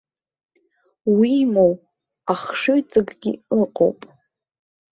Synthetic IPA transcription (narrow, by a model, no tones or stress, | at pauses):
wimow | aχʂoɥt͡sʼɨɡɡʲḭɨqʼo̰wpʼ